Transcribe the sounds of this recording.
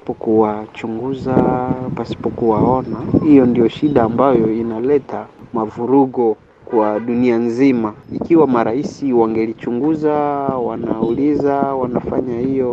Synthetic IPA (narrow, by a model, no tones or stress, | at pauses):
pɔkuwat͡ʃuŋɡuzapasi̥pɔkuwaɔnahijɔndijɔʃiɗaːmbajɔinalɛtʰamavuɾuɡɔ | kwaɗunianzimaikiwamaɾaisiwaŋɡɛlit͡ʃuŋɡuzawanaulizawanafaɲahijɔ